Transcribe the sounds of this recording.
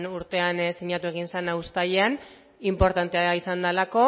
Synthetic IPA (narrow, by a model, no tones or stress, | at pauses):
nuɾt̪e̞ansiɲat̪ue̞ɣinsanaust̪ajean | impo̞ɾt̪ant̪e̞aisand̪alako̞